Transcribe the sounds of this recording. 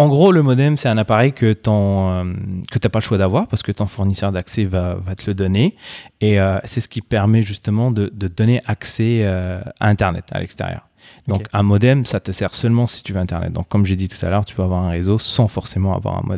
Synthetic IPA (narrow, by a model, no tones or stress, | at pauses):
ɑ̃ɡʁoləmɔd̪ɛmsɛt̪ɛ̃napaʁɛjkət̪ɔ̃ømkət̪yapaləʃwad̪avwaʁpaʁsə̥kət̪ɔ̃fuʁnisœʁd̪aksɛvavat̪ələd̪ɔneeøsɛsə̥kʲipɛʁmɛʒyst̪əmɑ̃d̪əd̪əd̪ɔneʔaksɛøa̰ɛ̃t̪ɛʁnɛ̰t̪ʰa̰lʔɛ̰kst̪ḛʁjœ̰ːʁ | d̪ɔ̃kɛ̃mɔd̪ɛmsat̪əsɛʁsœlmɑ̃si̥t̪yvøɛ̃t̪ɛʁnɛ̰t̪̚d̪ɔ̃kːɔmʒed̪it̪u̥t̪a̰lœʁt̪y̥pøavwaʁɛ̃ʁezosɑ̃fɔʁsemɑ̃a̰vwa̰ʁɛ̰̃mʔɔ̰d̪ɛ